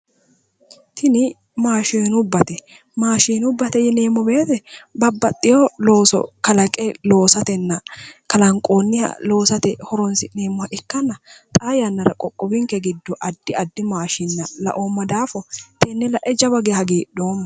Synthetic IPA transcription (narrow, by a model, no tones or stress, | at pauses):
t̪ʰɪnɪ | maːʃenʊbːɐt̪ɛ | maːʃiːnʊbːɐt̪ɛjɛne̞ːmːɔbe̞ːt̪ɛbɐbːɐt̪ʼːɪjolo̞ːsɔ̰kɐlɐkʼɛlo̞ːsɐt̪ɛnːɐkɐlɐŋkʼoːnːɪjɐ̰lo̞ːsɐt̪ɛhɔɾɔnsɪneːmːʊhɐʔɪkːɐnːɐt̪ʼajɐnːɐɾɐkʼɔkʼːɔbɪŋkɛɡɪd̪ːɔʔɐd̪ːɪɐd̪ːɪmaːʃɪnːɐlɐ̰ʔomːɐd̪aːfɔt̪ʰɛnːɛlɐʔɛd͡ʒɐbɐɡehɐɡeːd̪o̞ːmːɐ